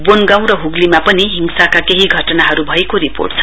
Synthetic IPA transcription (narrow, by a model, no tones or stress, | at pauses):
bonɡaw̃ɾʌɦuɡlimapʌniɦiŋsakakeɦiɡʱʌʈʌnaɦʌɾubʱʌekoɾipo̰rʈ̚t͡sʰʌ̥